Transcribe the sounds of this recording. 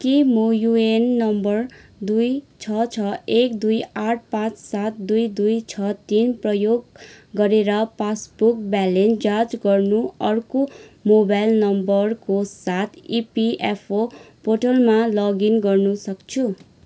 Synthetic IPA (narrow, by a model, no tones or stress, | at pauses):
kimojuenːʌmbʌrd̪ujt͡sʰʌt͡sʰʌekd̪ujaʈ̚ʰpãt͡ssat̪d̪ujd̪ujt͡sʰʌt̪inprʌjoɡːʌɾeɾʌpasbuk̚balend͡zad͡zɡʌrnuʌrkomobajlnʌmbʌrkosat̪ʰipiʔepʰo | pʰoʈʌlmalʌɡinɡʌrnusʌkt͡sʰu